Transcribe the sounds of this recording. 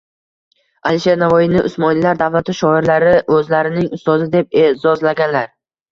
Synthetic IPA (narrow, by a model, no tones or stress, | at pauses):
aliʃe̞ɾnavɒjɪnɪʔʊsmɒnɪllaɾd̪avlat̪ʰɪʃɒɪɾlaɾɪʔɵzlaɾɪnɪŋʊst̪ɒzɪd̪e̞p̚ezɒzlaɡʲanlaɾ